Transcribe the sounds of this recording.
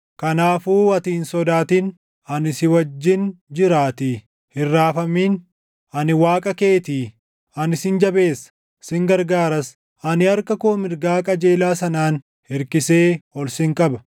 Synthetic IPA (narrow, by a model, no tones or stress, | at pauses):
kɐnaːfuːɐt̪iːnsɔd̪aːt̪in | ɐnɪsɪwɐd͡ʒːɪnd͡ʒɪɾaːt̪ɪ | hɪrːaːfɐmiːn | ʔɐnɪwaːkʼɐke̞ːt̪iː | ɐnɪsɪnd͡ʒɐbe̞ːsɐ̥ | sɪŋɡɐɾɡaːɾɐs | ʔɐnɪɐɾkɐkoːmɪɾɡaːkʼɐd͡ʒe̞ːlaːsɐnaːn | hɪɾkɪse̞ːhɔlsɪŋkʼɐbɐ